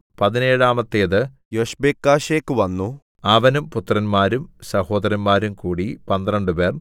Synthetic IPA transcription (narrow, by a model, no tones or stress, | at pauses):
pɐðineːɻaːmɐt̪ːeːðɨ | joɕbeːkːaːɕeːkːɨʋɐnːu | ɐʋɐnumput̪ːrɐnmaːɾumsɐho̞ːd̪ɐɾɐnmaːɾumkuːɽipɐnd̪rɐɳɖɨper